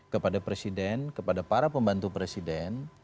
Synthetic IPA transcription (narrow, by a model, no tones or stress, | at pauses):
kəpadapɾesidɛnkəpadapaɾapəmbant̪upɾesidɛn